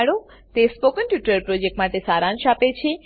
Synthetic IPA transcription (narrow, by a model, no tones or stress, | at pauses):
ɽo | t̪espokənʈjuʈəɾpɾod͡ʒek̚ʈmaʈesaɾãnʃapet͡ʃʰe